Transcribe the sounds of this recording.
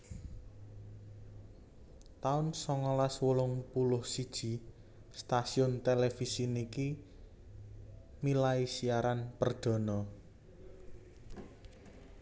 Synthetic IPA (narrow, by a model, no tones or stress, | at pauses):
t̪aʊnsɔŋɔlaswəlʊŋpulʊhsid̥ʒ̥i̤ | st̪asiʊnt̪elefisiniki | milaisiaɾanpərd̪̥ɔ̤nɔ